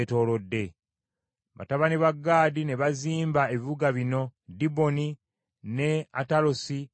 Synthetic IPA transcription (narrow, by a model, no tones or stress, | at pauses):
to̞ːlo̞dːe̞ | βa̰taβaniβaɡːaːdine̞βaziːmbae̞βiβuɡaβino̞dibo̞ni | ne̞a̰talosi